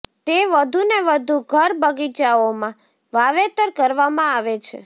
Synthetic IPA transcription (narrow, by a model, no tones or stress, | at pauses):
t̪eʋəd̪ʱuneʋəd̪ʱuɡʱəɾbəɡit͡ʃaomã | ʋaʋet̪əɾkəɾʋamãaʋet͡ʃʰḛ